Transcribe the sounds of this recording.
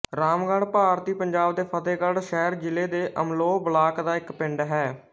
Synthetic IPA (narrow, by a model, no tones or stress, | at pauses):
ɾaːmɡãːɳpaːɾt̪iːpəɲd͡ʒaːbd̪eːpʰət̪eːkəɽʃɛːɾd͡ʒɪleːd̪eːʔəmloːbəlaːkd̪aːɪkpɪ̃ɳɖɦɛː